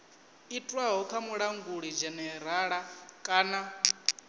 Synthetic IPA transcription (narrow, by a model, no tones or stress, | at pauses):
itʼwaɦɔkʰamuɺaŋɡuɺid͡ʒɛnɛɾaɺakʼaːna